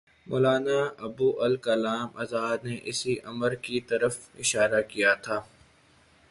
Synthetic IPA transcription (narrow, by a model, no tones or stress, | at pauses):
moːlaːnaɐbuːʔɐlkɐlaːmɐ̰zaːd̪neʔɪsiʔɐməɾkit̪ɐɾəfɪʃaːɾakijat̪ʰaː